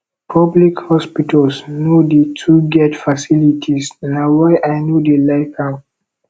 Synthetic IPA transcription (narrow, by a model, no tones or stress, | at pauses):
pʰɔblikhɔspitʰalsnjodetʰuɡɛtfasilitʰisnawajʔaɪnjudelaɪkã